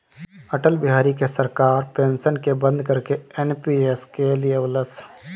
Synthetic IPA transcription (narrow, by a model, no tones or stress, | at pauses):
əʈəlbɪɦaːɾikesəɾkaːɾpẽːnsənkebə̃nd̪ʱkəɾkeeːnpieskelijewləs